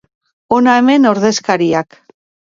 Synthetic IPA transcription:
onaeme̞no̞ɾðe̞skaɾiak

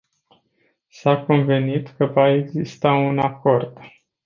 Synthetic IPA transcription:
sako̞nve̞nit̪kəvae̞ɡzist̪aunako̞rd̪

